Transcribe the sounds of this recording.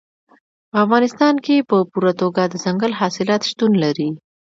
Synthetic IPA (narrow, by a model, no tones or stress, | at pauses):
pəafɣɑnɪst̪ɑnkepəpuɾat̪oɡad̪əzaŋɡəlɦɑsɪlɑt̪ʃt̪unlaɾi